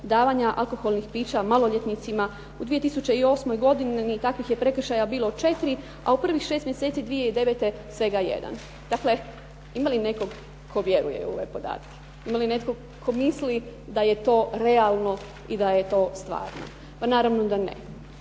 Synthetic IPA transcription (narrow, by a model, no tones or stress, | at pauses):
d̪aːʋaɲaʔa̰lko̞xo̞lˠnixpiːt͡ɕamalˠoʎe̞t̪nit̪sima | ud̪ʋije̞t̪isut͡ɕeio̞ːsmo̞jɡo̞d̪innit̪akʋixje̞pɾe̞kr̩ʃajabiːlot͡ʃe̞t̪ɾi | a̰upr̩ʋixʃe̞ːst̪mje̞set̪id̪ʋijeid̪e̞ʋet̪e̞sʋe̞ɡajḛd̪a̰n | d̪̥akle̞ | imaline̞ko̞ɡ | kʰo̞ʋje̞ɾṵjḛo̰ʋe̞̰po̞d̪a̰ːt̪ke̥ | imaline̞t̪koɡ | kʰo̞mislid̪aje̞t̪o̞ːɾe̞alˠno̞ | id̪ajet̪o̞ːst̪ʋa̰ːɾno̞̰ | panaːɾaʋno̞d̪anḛ